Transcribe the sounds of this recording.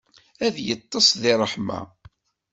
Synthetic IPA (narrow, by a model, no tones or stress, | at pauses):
æðjət̪ˤːɑsˤðɪrˤːəħma̰